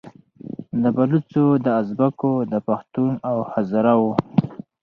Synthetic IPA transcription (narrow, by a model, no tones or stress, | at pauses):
d̪əbalut͡sod̪əazbakod̪əpaxt̪unawhazaɾawo